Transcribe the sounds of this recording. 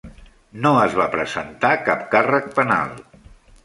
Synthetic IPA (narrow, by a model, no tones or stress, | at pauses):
noəzβapɾəzənt̪akap̚karək̚pəna̰lˠ